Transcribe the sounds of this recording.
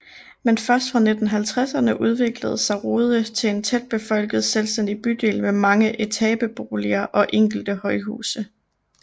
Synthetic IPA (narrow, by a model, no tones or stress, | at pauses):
menfɶɐsd̥fʁɑ̈ned̥n̩ɦælt͡sʰʁasɐnəʔuð̞ˠʋe̝ɡ̥ləð̞̩ˠsɑ̈ɪʁoːðˠət͡sʰe̝ent͡sʰed̥̚b̥e̝fɒ̽l̰ɡ̥ð̩ˠselsd̥en̰d̥ib̥yd̥e̝̰ːlmemɑ̈ŋəʔet͡sʰɛb̥əb̥o̝ːliɐʔɒ̽ʔeŋ̰ɡ̥l̩d̥əhɒ̽ɪɦṵːsə